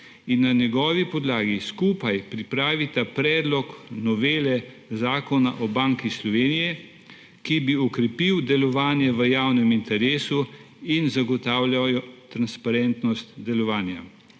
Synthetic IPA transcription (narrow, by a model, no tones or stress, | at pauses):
inːanjɛɡɔːʋipɔd̪laːɡiskuːpajpɾipɾaːʋit̪apɾɛːd̪lɔknɔʋeːlɛ | zaːkɔnaʔɔbaːŋkislɔʋeːnijɛ | kibiɔkɾɛpiwd̪ɛlɔʋaːnjɛʋəjaːwnɛmint̪ɛɾeːsu | inzaɡɔt̪aːwljajɔt̪ɾanspaɾɛnt̪nɔst̪d̪ɛlɔʋaːnja̰